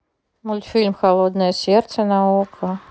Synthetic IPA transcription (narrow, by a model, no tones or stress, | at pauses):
mulʲfʲilʲmxalˠod̪nəjəsʲɛrt̪sənaukʰə